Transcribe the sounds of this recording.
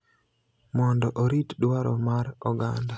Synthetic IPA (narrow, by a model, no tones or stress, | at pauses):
mɔndɔʔoɾitɗwaɾɔmaɾɔɡa̰nda